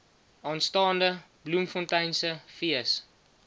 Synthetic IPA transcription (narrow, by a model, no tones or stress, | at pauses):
ɑːnstɑːndə | blumfɔntɛjnsəfiəs